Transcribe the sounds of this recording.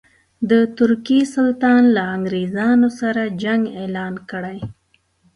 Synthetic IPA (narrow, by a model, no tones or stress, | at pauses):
d̪ət̪ʊɾkisʊlt̪ɑnlaaŋɡɾezɑnosaɾad͡ʒaŋɡelɑnkəɽaj